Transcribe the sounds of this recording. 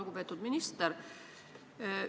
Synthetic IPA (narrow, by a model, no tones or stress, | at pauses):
lɡupeːt̪ːˑud̪minist̪eɾ